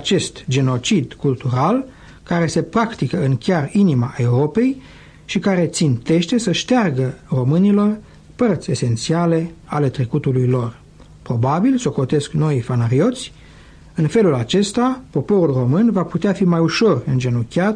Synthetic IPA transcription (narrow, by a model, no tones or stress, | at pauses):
at͡ʃe̞st̪d͡ʒe̞no̞t͡ʃid̪kult̪uɾal | kaɾe̞se̞pɾakt̪ikəɨŋkʲarinimae̞uɾo̞pe̞j | ʃikaɾe̞t̪sint̪e̞ʃt̪e̞səʃt̪earɡəro̞mɨnilo̞r | pərt̪sʲe̞se̞nt̪siale̞ale̞t̪ɾekut̪ulujlo̞r | pɾo̞babilso̞ko̞t̪e̞skno̞ifanaɾio̞t̪sʲ | ɨnfe̞lulat͡ʃe̞st̪apo̞po̞ɾulro̞mɨnvaput̪eafimajuʃo̞rɨnd͡ʒe̞nokʲjat̪